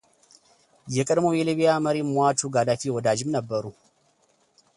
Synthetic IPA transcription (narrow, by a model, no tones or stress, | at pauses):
jɛkʼɨdmojɛliβijaməɾimwatʰuɡadafiwɔd̪ad͡ʒɪmnəbːəɾu